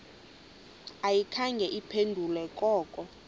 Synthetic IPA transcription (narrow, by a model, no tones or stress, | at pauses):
ajikʰaŋɡʱɛʔipʰendʱulɛkʼɔːkʼɔ